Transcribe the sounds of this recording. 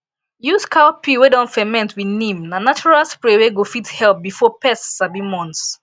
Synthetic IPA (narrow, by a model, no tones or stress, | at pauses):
juskʰawpʰiwedɔ̃nfɛmɛ̃ntwinĩmnãnat͡ʃɔɹalspɹeweɡofithɛlp̚bifɔpɛsːabimɔ̃ns